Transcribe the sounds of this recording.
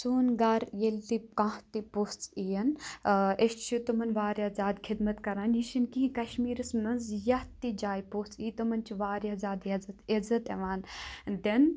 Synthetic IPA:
suːnɡaɾjelt̪ikãht̪ipost͡sijɐn | eʃt͡ʃʰit̪umɐnʋaːɾjaːzʲaːd̪kʰid̪mɐt̪kɐɾaːniʃinkiĩkɐʃmiːɾɨsnɐnzjɐht̪id͡ʒaːjpost͡siːt̪umɐnt͡ʃʰiʋaːɾjazʲaːd̪jɐzɐt̪ezɐt̪ɐʋaːnd̪en

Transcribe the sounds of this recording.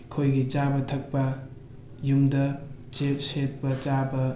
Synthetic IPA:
kʰojɡid͡ʒabɐtʰɐk̚pɐ | jumdɐ | t͡ʃep̚sepːɐd͡ʒabɐ

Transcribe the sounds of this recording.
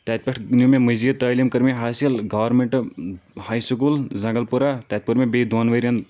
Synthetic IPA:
t̪at̪̚ʲpɐʈʰnumemɨzit̪əːlʲimkɐɾmeɦaːsilɡɐːʋɾmeɳʈhɐjsukulzɐŋɡɐlpuɾat̪at̪̚ʲpuɾmebeːd̪waːnʋɐɾʲjɐn

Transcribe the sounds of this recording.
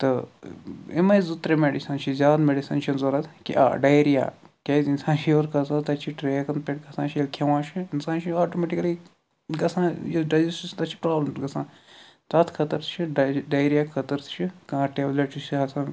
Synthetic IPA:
t̪ɨ | emɐjzut̪ɾemeɖisɐnt͡ʃʰizʲaːd̪meɖisɐːnt͡ʃʰinzoːɾɐt̪ʰkḭʔa̰ːɖɐjɾija̰ːkʲɐjzinsãːnʃʰieɾkɐsãt̪ɐt͡ʃʰiʈɾeːkɐnpʲeʈkɐsãːt͡ʃʰielkʰeʋãːt͡ʃʰiinsãːnt͡ʃʰiaːʈomeːʈikɐli | ɡɐsãːjeɖɐd͡ʒissʲt̪ɐt͡ʃʰi̥pɾaːblɐmsɡɐsãːn | t̪ɐt̪ʰkʰɐt̪ɐɾt̪ʰt͡ʃʰiɖɐjɾijaːkkʰɐt̪ɐɾt̪ʰt͡ʃʰikãʈeːʋleʈt͡ʃisiɦɐsãː

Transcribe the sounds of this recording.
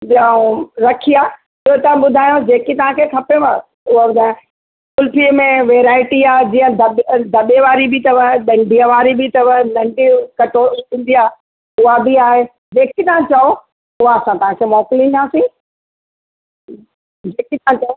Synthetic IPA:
ɗãɾɐkʰijaː | ɪɦot̪ɐãɓʊd̪ʱaːjod͡ʑeːkit̪ɐʋ̤ɦãkʰeːkʰɐpema | ʊɦaɓʊd̪ʱaːjã | kʊlpimẽʋeːɾaːɪʈiaːd͡ʑiːə̃d̪ɐd̪ʱɐɓeʋaːɾibɪt̪ɐʋəɗɐ̃ɳɖʱiə̃ʋaːɾibɪt̪ɐʋənɐ̃ɳɖikɐʈoːtĩːn̆d̪iaː | ʊɦabɪaːɦe | d͡ʑeːkit̪ɐɦãt͡ɕɐo | ʊɦaɐsãt̪ɐʋ̤ɦãkʰemɔːklĩnd̪aːsĩ | d͡ʑeːkit̪ɐãt͡ɕɐo

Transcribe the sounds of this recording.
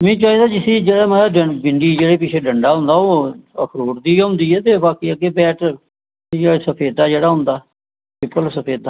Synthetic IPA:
mɛ̃ːt͡ʃaːɦiːd̪aːd͡ʒɪsĩːd͡ʒeːɽaːməaɖəbɪɳɖiːd͡ʒeːɽeːpɪt͡ʃʰeːɖəɳɖaːɦʊ̃nd̪aːoːə̰kʰɾoːɾd̪iːɦʊ̃ːnd̪iːɛːt̪eːbaːkiːəɡeːbɛːʈə | jaːsəpʰeːd̪aːd͡ʒeːɽaːɦʊ̃nd̪aː | bɪpːəlsəpʰeːd̪aː

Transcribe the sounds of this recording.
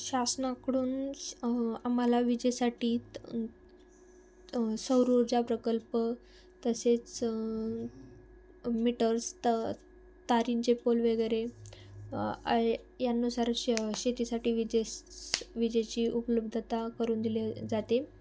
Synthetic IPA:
ɕasnakəɽuːn | am̤alaʋid͡ʑəjsaʈiː | səwɾuɾd͡ʑapɾəkəlpə | t̪əset͡s | miʈəɾs | t̪aɾint͡ɕepolʋəɡəjɾe | janːusaɾɕet̪isaʈiːʋid͡ʑe | ʋid͡ʑət͡ɕiːʔupələbd̪ʱət̪akəɾuːnd̪iled͡zat̪e

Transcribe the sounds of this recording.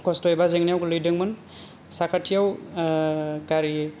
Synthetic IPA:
kɔstɔjbazeŋnijawklɯjdɯŋmɯn | sakʰatʰijaw | kaɾi

